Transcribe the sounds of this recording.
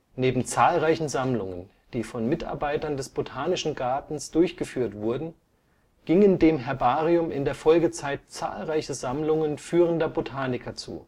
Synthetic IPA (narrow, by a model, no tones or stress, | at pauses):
neːbm̩t͡saːlʁaɪçn̩zamlʊ̰ŋə̰n | d̥iːfɔnmɪtʔa̰ɐbaɪtɐndɛsb̥otʰaːnɪʃn̩ɡaɐtn̩sd̥ʊɐçɡ̥əfyːɐtv̥ʊɐdn̩ | ɡ̥ɪŋəndeːmɦɛɐbaːʁiʊmɪ̰ndeːɐfɔlɡət͡saɪt̚t͡sa̰ːlʁaɪçəzamlʊŋənfyːʁ̞əndɐbotʰaːnɪkʰɐt͡sṵː